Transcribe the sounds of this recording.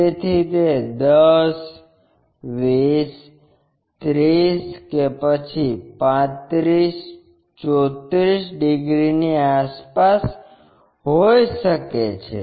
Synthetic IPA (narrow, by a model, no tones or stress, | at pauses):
et̪ʰit̪ed̪əs | ʋis | t̪ɾiskepət͡ʃʰipãt̪ɾis | t͡ʃɔt̪ɾisɖiɡɾiniaspas | ɦojʃəket͡ʃʰḛ